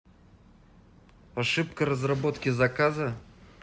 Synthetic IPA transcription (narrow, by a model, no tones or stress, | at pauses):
ɐʂɨp̚kəɾəzrɐbo̞t̪kʲɪzɐkazə